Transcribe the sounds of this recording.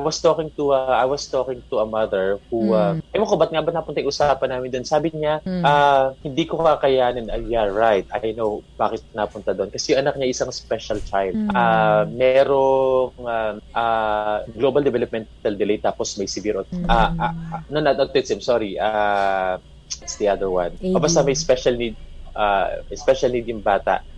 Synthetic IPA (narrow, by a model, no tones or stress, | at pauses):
ʔajwɐst̪okɪŋt̪ʊɐʔajwɐst̪oːkɪŋt̪ʊɐmɐðɛɹhuaʔɐjmokobɐt̪̚ŋabɐt̪nɐɐpʊnt̪aʔiʔʊsaːpɐnaːmɪnd̪onsaːbɪɲaʔahɪnd̪iːkokakɐjaːnɪnɐjaɹajt̪̚ʔɐ̰jnowb̥aːkɪt̪̚napʊnt̪ad̪oʔonkɐsɛjʊŋʔɐnɐk̚ɲajʔɪsaŋspɛʃɐlt͡ʃajld̪̚ʔamɛɾoŋaʔaɡlobɐld̪ɛvɛlɐp̚mɛnt̪ɐld̪ɪlejt̪aːposmɐjsɪɡɪɾʔot̪ʔaʔanɐnɐt̪ɐt̪ɛt̪samsoːɾiʔa | ɪt̪sd̪iʔɐd̪əɹwanʔoːbɐst̪ɐmɐjspɛʃɐlnid̪̚ʔaɛspɛʃɐlniːd̪̚jʊŋbaːt̪ɐ̰ʔ